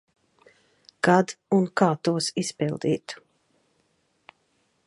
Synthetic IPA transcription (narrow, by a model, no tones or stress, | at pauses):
kad̪unkaːt̪uɔsispilˠd̪ḭːt̪u̥